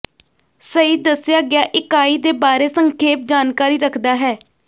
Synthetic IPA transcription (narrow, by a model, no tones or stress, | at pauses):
səiːd̪əsɪjaːɡɪjaːʔɪkaːiːd̪eːbaːɾeːsəŋkʰeːp̚d͡ʒaːnkaːɾiːɾəkʰd̪aːɦɛː